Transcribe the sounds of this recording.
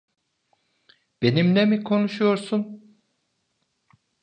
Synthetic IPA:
b̥e̞nimnɛmikʰo̞nuʃujo̞ɾsun

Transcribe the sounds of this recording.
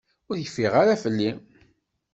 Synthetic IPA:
ʊɾçəfiʁaɾafəlːi

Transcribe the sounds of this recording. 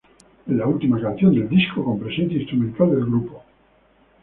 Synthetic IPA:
elault̪imakãnθjond̪e̞ld̪iskoko̞mpɾe̞senθjaĩst̪ɾumẽnt̪ald̪elɡɾupo

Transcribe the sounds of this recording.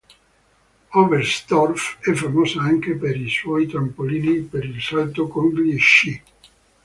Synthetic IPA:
ɔverst̪ɔrfɛfːamoːsaaŋkepeɾiswɔjt̪ampoliːnipeɾilsalt̪okoŋɡliʃi

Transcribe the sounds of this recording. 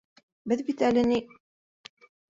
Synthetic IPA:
bɘðbit̪ælɘ̆ni

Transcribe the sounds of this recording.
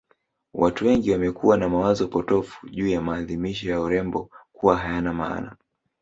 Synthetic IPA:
wʔatuwɛŋɡiwamɛkʰuwanamawazɔpɔtɔfu̥ʄuːjamaːðimiʃɔjauɾɛmbɔkuwaɦajanama̰ːna̰

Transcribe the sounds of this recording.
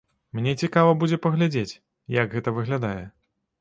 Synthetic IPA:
mnʲɛt͡sʲikavɐbud͡zʲɛpɐɣlʲad͡zʲet͡sʲ | jɐɡɣɛt̪ɐvɨɣlʲad̪ajɛ̰

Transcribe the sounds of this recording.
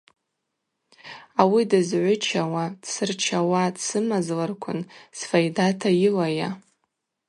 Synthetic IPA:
awidɨzʕʷʊt͡ʃʰawadsɨrt͡ʃʰawadsɨmazlarkʷʰʊnsfajdatʰajɪlaja

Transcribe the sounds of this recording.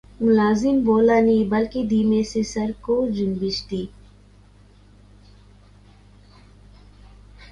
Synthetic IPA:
mʊlaːzɪmboːlanibɐlkid̪iːmẽsesɐɾkod͡ʒʊnbɪt͡ʃt̪iː

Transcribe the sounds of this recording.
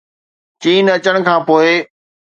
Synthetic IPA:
t͡ɕiːnɐt͡ɕəɽ̃kʰãːpoːɪ

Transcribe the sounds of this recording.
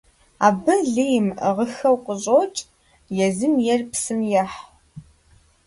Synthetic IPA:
aːbɐɮijmʁəxɐwqʷəɕʼoːt͡ʃʼ | jɛzɨmjɛrpsɨmjɐħ

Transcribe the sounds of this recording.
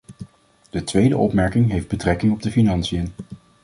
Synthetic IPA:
d̥ətʋejdə̰ʔɔpmɛɹkɪŋɦejvd̚bətrɛkɪŋɔb̚dəfinɑnsijən

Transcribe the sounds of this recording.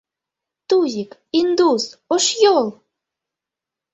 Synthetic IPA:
t̪uʑʲikind̪usoʃjolˠ

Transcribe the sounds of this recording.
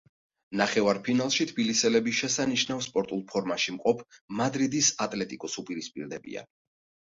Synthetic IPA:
naχɛvaɾpʰinalˠʃit̪ʰb̥ilisɛlɛbiʃɛsaniʃnavspʼɔɾt̪ʼulˠpʰɔɾmaʃimqʼɔpʰmad̪ɾid̪isat̪ʼlɛt̪ʼikʼɔsupʼiɾispʼḭɾd̪ɛbḭa̰

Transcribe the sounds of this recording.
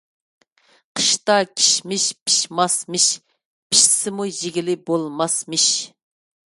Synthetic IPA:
qʰə̥ʃt̪ɑkʲʰi̥ʃmɪʃpʰi̥ʃmɑsmɨʃ | pʰi̥ʃsɪmujeɡʲilɪbolˠmɑsmɨʃ

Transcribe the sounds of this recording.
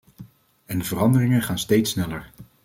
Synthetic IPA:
ɛndəvərɑndərɪŋənχaːnstejtsnɛləɹ

